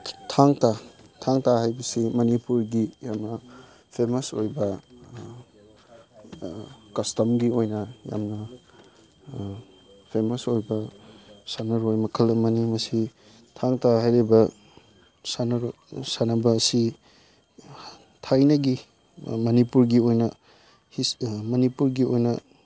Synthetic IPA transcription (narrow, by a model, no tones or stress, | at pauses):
tʰaŋtatʰaŋtahajbɐsimɐnipuɾɡijamnɐ | pʰemɐso̰jbɐ | kɐstɐmɡiojnɐja̰mnɐ | pʰemɐsojbɐsanɐɾojmɐkʰɐlɐmɐnimɐsi | tʰaŋtʰaɦajɾebɐ | san | sanɐbɐːsi | tʰajnɐɡi | mɐnipuɾɡiojnɐ | himɐnipuɾɡiojnɐ